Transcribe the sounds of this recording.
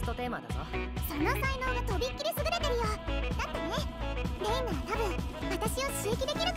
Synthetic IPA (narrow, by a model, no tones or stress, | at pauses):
t̪ːot̪e̞ːma̰d̪a̰noso̞no̞saino̞ːɡat̪o̞bʲikʲːiɾʲisɨɡɯ̟ɾe̞t̪e̞ɾɯ̟jod̪at̪ːene̞ɾeĩnaβat̪abɯ̟̃ŋβat̪aɕio̞t͡sɨːkʲid̪e̞kʲiɾɯ̟